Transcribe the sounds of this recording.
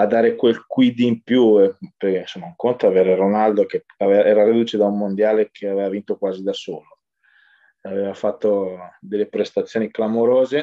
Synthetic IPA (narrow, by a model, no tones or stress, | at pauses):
ad̪ːaːɾekwelkwid̪impjupekeinsomːauŋkont̪oavɛːɾeɾonald̪oke | aveɛːɾaɾid̪uːt͡ʃed̪aumːond̪jaːlekʰeaveːvavint̪okwaːzid̪asoːlo | aveːvafat̪ːod̪elːepɾest̪at̪sːjoːniklamoɾoːze